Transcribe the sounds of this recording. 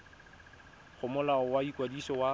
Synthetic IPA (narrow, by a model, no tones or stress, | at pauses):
χʊmʊlaɔwaikʼwadisɔwa